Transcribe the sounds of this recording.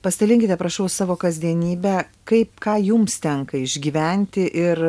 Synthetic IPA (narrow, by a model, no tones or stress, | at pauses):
pɐsʲt̪ʲɛlʲɪŋʲkʲɪt̪ʲɛpɾɐʃɐʊsɑːʋoːkɐzʲd̪ʲiɛnʲiːbʲɛkɐɪpkɑːjʊmst̪ʲɛŋkɐɪʒʲɡʲiːʋʲɛnʲt̪ʲɪʔɪɾ